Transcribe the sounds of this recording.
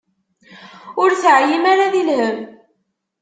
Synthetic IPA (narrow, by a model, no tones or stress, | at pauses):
ʊɾθəʕjimaɾaðilhəm